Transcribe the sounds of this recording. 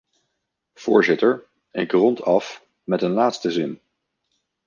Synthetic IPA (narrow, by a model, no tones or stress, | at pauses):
v̥ʊːɹzɪtəɹ | ɪkrɔntʰɑf | mɛtənlaːtstəzɪn